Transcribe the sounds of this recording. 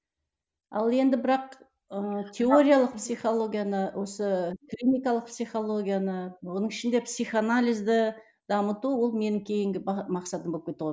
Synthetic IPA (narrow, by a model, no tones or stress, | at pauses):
ɑlˠe̞nd̪ɪbɪɾɑq | ət̪ʲʰe̞o̞ɾʲijalˠəq̚psijχolˠo̞ɡʲijanəwo̞səkrʲinijkɑlˠəqpsijχo̞lˠo̞ɡʲijanəwo̞nəɴɪʃɪnd̪epsʲiχanalʲijzd̪ɪ | d̪ɑmət̪uwo̞lˠme̞nɪŋkʲʰe̞jɪŋɡʲɪmɑqsɑt̪əmbop̚kʲʰet̪ʁ